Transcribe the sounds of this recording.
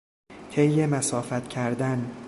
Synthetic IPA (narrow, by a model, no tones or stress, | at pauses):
t̪ʰejːemæsɒːfæt̪ʰcʰæɾd̪æn